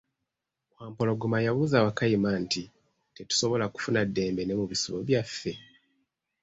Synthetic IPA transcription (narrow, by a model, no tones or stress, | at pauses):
kwaːmpo̞lo̞ɡumajaβuːzawakajimanti | te̞tu̥so̞βo̞laku̥funadːe̞ːmbe̞ne̞muβisiβo̰βjafːe̞